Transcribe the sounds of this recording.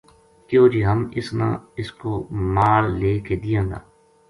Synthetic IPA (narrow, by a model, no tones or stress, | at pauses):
kjoːd͡ʒiːɦəmɪsnã̰ːɪskoːmaːlːeːked̪ɪjãːd̪a̰ː